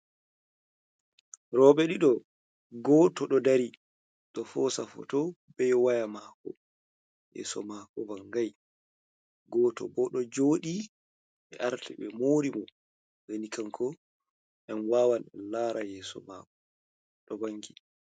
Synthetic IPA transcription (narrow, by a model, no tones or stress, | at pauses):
ɾɔːɓɛɗiɗɔ | ɡɔːtɔɗɔdaɾi | ɗɔfɔːsafɔ̰tɔ | bɛjwajamakɔ̰ | jɛ̰sɔ̰makɔvaŋɡaj | ɡɔːtɔ̰bɔɗɔd͡ʒoːɗi | ʔɛʔaɾtʰɛɓɛmoːɾimɔ | wenikʰamkʰɔ | ʔɛnwaːwanɛlaːɾajɛːsɔ̰ma̰kɔ | ɗɔbaŋki